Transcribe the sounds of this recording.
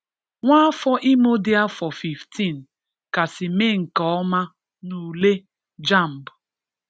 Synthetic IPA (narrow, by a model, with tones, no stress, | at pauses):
ŋʷa˦fɔ˦ʔi˦mo˦dɪ˦a˦fɔ˨fi˨fti˦˨n˨ | ka˨sɪ˨me˦˨ŋ̩˨kɔ˨ɔ˦ma˦ | nu˨le˦ | d͡ʒa˦˨m̩˨bʊ˨